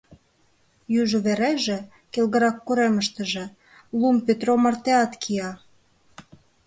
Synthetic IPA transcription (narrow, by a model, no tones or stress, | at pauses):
jyʒuβeɾeʒĕ | kelɣə̆ɾɑkːuɾeməʃt̪ə̆ʒĕ | lumpet̪romɑrt̪eɑt̪kʰiɑ